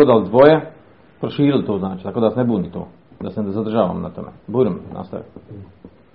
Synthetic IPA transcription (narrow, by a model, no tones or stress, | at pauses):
od̪ald̪ʋoje | pɾoʃiːɾilt̪oːznaːt͡ʃit̪akod̪asnebuːnit̪o̰ː | d̪asezad̪r̩ʒaːʋa̰mna̰t̪o̰mḛbuːɾimnʔa̰st̪a̰ʋḭm